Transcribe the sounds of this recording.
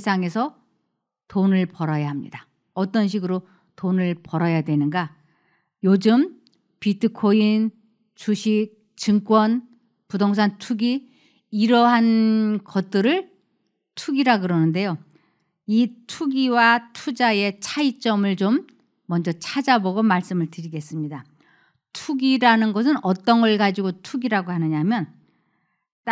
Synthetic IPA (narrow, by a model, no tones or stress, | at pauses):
sʰaŋe̞sʰʌ | tonɯɭpʌɾajaɦamɲḭda | ʌt͈ʌnɕ̬ʰiɡɯɾo | tonɯɭpʌɾʌjadwe̞nɯnɡa | jod͡ʑɯm | pitʰɯkʰoin | t͡ɕuɕʰik̚ | t͡ɕɯŋk͈wʌn | pudoŋs̬ʰantʰuɡi | iɾʌɦankʌt̚t͈ɯɾɯɭ | tʰuɡiɾaɡɯɾʌnɯnde̞jo | itʰuɡiwatʰud͡ʑae̞t͡ɕʰait͡ɕ͈ʌmɯɭt͡ɕomː | ʌnd͡ʑʌt͡ɕʰad͡ʑaboɡomaɭs͈ɯmɯɭtɯɾiɡe̞s͈ɯmɲida | tʰuɡiɾanɯnɡʌsʰɯnʌt͈ʌnɡʌɭɡad͡ʑiɡotʰuɡiɾaɡoɦanɯɲamjʌn | t͈